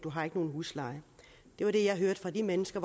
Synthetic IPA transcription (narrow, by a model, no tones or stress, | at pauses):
d̥uɦɑ̈e̝ɡ̥əno̝ːn̩ɦuslɑ̈ɪ | d̥e̝ʋɑ̈ɾ̥e̝jɑ̈ɪɦøɐd̥fʁɑ̈d̥imenəsɡ̥ɐʋ